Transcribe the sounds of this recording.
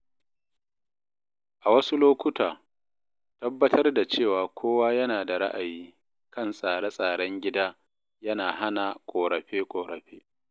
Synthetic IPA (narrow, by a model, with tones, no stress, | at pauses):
ʔa˨wɐ˦su˦loː˦kʷʊ˦taː˨ | tɐ˦bːɐ˦tʰɐ˦rda˨t͡ʃeː˦˨waː˨kʷʰoː˦waː˦jɐ˦naː˨da˨ɾa̰˦ʔa˨jiː˦ | kɐ˦˨nsʼaː˨ɽɐ˦sʼaː˨ɽɐ˦ŋɡʲɪ˦daː˦ | jɐ˦naː˨ha˦na˨kʷʼoː˨ɽɐ˨ɸeː˦kʷʼoː˨ɽɐ˨ɸeː˦